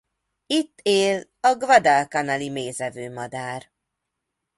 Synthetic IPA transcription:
it̪ːeːlɒɡvɒd̪alkɒnɒlimeːzɛvøːmɒd̪aːr

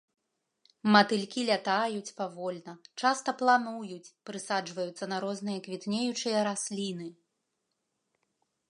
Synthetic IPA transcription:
mɐt̪ɨlʲkʲilʲat̪ajut͡sʲpavɔlʲnɐt͡ʂast̪ɐplˠanujut͡sʲpɾɨsad͡ʐvɐjut̪sːɐnɐɾɔznɨjɐkvʲit̪nʲejut͡ʂɨjɐɾasʲlʲinɨ

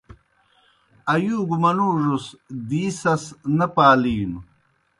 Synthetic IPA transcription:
ɐjuːɡumɐnuːʐusd̪iːsɐsnɐpaːliːnu

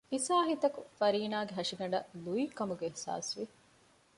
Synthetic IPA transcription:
isaːɦit̪ɐkufɐɾiːnaːɡeɦɐʂiɡɐɳɖɐluikɐmuɡeːhsa̰ːsʋi

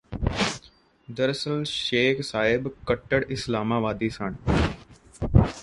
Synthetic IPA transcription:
d̪əɾsəlʃeːkʰsaːɦɪbkəʈːəɽɪslaːmaːʋaːd̪iːsaːɳ

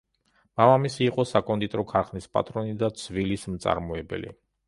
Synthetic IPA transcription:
mavamisiːqʼɔsakʼɔnd̪it̪ʼɾɔkʰaɾχnispʼa̰t̪ʼɾɔnid̪at̪sʰvilismt̪sʼa̰ɾmɔɛbɛ̰lḭ

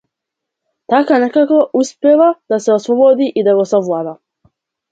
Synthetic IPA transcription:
t̪akanekakoʔuspʲeʋad̪̥aseosʋobod̪iʔid̪aɡosovlˠad̪a

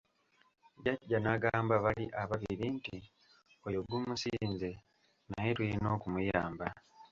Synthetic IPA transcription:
ɟaɟːanaɡaːmbaβaliʔaβaβiɾinti | ojoɡumusiːnze̞ | najeɾwinoːkumujaːmba

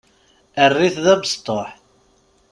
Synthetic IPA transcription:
ərːiθðævst̪ˤːoħ

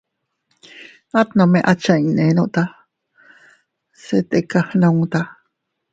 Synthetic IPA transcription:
at̪nomeʔat͡ʃaĩnenoʔt̪a | set̪ekahnaŋt̪a

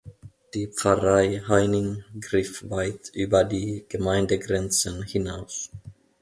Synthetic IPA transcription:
d̥iːpp͡fɐʁaɪhaɪnɪŋɡʁɪfvaɪtʔyːbɐdiːɡ̥əmaɪndəɡʁɛnt͡sənhɪnaʊs

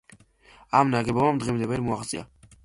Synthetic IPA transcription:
amnaɡɛbɔvamd̪ʁɛmd̪ɛvɛɾmuaχt̪sʼḭa̰

